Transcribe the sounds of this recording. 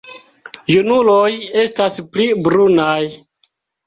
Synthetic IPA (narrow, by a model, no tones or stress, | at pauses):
junuloje̞stasplibɾunaj